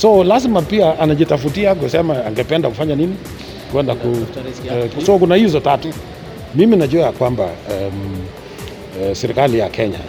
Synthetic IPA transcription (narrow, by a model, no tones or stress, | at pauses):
sɔlazmapiaʔanaʄitafutiak̬usɛmaaŋɡɛpɛndakufaɲanini | kwɛndaku | sɔkunahizɔtatu | miminaʄuakwamba̰ɛm | sɛɾikalija̰kʰɛɲa̰